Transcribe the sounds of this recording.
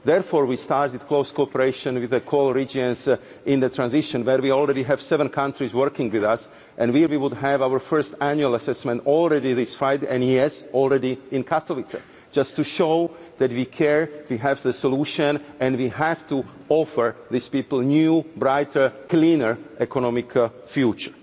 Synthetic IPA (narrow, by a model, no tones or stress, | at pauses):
ðɛɹfoːɹwistɑɹtɪd̥kloʊskoɔpəɹeɪʃə̃nwɪðəkʰolɹid͡ʒə̃ns | ɪ̃nðət̪ʰɹãnzɪʃɔ̃nwɛɹwiɔlˠɹɛdiɦɛv̥sɛvə̃nkʰãntɹizwəɹkɪ̃ŋɡwɪðas | ʔɛ̃nwiɹwiwʊdɦɛvawəɹfɜ˞stæ̃njualˠasɛsmɛ̃ntɔlˠɹɛdiðɪsfaɪdɛ̃niɛsɔlˠɹɛdiɪ̃nkʰat̪ʰovisa̰ | d͡ʒastːuʃoʊðɛtwikʰɛɹwiɦɛvðəsoluːʃə̃nʔɛ̃nwiɦæftu | ɔfəɹðɪspiːpl̩ˠnjubɾaɪtʰə˞klĩnəɹʔɛkʰɔnɔ̃mɪk | fjut͡ʃə˞